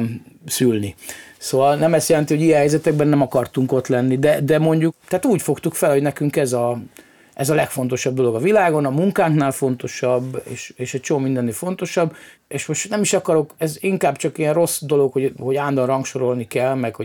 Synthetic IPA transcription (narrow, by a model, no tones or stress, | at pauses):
msylnisoːvɒlnɛmɛst̪jɛlɛnt̪iho̞ɟijɛ̃ɦɛjzɛt̪ɛɡ̚bɛnːɛmɒkɒrt̪uŋko̞t̪lɛnːid̪ɛd̪ɛmo̞ɲɟukt̪ɛaːt̪uːcfo̞kt̪ukfɛlho̞ɟnɛkyŋkɛzɒ | ʔɛzɒlɛkfo̞n̪t̪o̞ʃɒb̚d̪o̞lo̞ɡɒvilaːɡo̞nɒmuŋkaːŋknaːlfo̞nt̪o̞ʃɒbːḛːʃeːʃɛc̚t͡ʃomomind̪ɛnːefo̞nt̪o̞ʃɒbː | eːʃmoʃtnɛmiʃɒkɒɾo̞kɛziŋkaːbt͡ʃɒkiɛnro̞sd̪o̞lo̞kho̞ho̞ɟaːnd̪ɒnrɒŋkʃo̞ɾo̞lnikɛlmɛkho